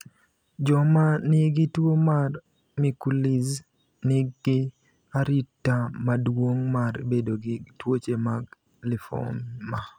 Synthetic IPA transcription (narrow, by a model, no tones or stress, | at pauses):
d͡ʒɔmanɪɡɪtwomar | mikuliz | nɪɡɪ | aɾitːamadwoŋmaɾḛbedoɡɪtwot͡ʃemaɡ | lɪfɔ̰mma